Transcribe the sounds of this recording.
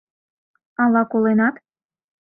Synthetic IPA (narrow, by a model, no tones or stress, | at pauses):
ɑlɑkolenɑt̪